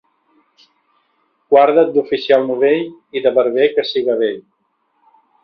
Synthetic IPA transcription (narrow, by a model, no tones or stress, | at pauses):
kwaɾðət̪̚d̪ufisialˠnuβeʎ | iðəβəɾβekəsiɣəβeʎ